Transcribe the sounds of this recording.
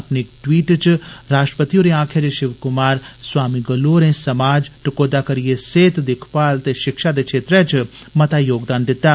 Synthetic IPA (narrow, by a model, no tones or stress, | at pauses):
ɐpnekʈwiːʈt͡ʃɾaːʃʈɾəpət̪ijõɾeãːkʰjad͡ʒeʃɪʋkʊmaːɾswaːmiɡɐloːɾẽsɐmaːd͡ʒʈɪkoːd̪akɐɾijeseːt̪d̪ɪkʰpaːlt̪eʃɪkʃad̪eʃʰeːt̪ɾɛ̃t͡ʃ | mɐt̪ajoːɡd̪aːnd̪ɪt̪ːaː